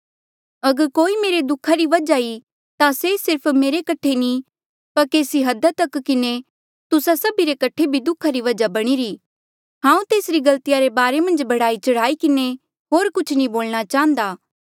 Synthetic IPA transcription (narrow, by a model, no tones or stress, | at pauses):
ɐɡəɾkoːimeːɾed̪ʊkʰːaɾiʋɐd͡ʒai | t̪asesɪɾpʰmeːɾekɐʈʰːeni | pɐɾkeːsiɦɐd̪at̪ɐkːɪne | t̪ʊsasɐbiɾekɐʈʰːebʱid̪ʊkʰːaɾiʋɐd͡ʒabɐɽ̃iɾiː | ɦãːũt̪eːsɾiɡɐlt̪ijaɾebaːɾemɐ̃nd͡ʒbɐɽaːit͡ʃɐɽ̤aːikɪne | ɦoːɾkʊt͡ʃʰnĩboːlɽ̃at͡ʃaːə̃nd̪aː